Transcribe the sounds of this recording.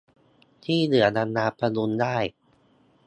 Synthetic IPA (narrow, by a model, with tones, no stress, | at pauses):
t̪ʰiː˥˩nɯ˩˦ɐda˧nːaː˧pɾa˧nu˧ndaː˥˩j